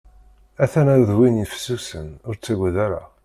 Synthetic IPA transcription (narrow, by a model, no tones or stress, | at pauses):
æθænænðwinjəfsːusənʊɾt͡sːæɡʷəðæɾa̰